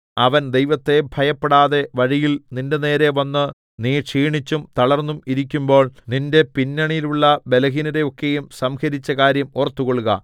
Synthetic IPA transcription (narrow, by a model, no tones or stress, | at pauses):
ɐʋɐnd̪e̞jʋɐt̪ːe̞bʱɐjɐpːeɽaːðe̞ʋɐɻijilninde̞ne̞ːɾe̞ʋɐnːɨ | niːʂiːɳit͡ɕːumt̪ɐɭɐrnːumiɾik̬ʲːumbo̞ːɭninde̞pinːɐɳijluɭːɐbe̞lɐɣiniɾe̞o̞kːejumsɐmhɐɾit͡ɕːɐkaːɾjɐmorɐt̪ːuɣoɭːuɣɐ̰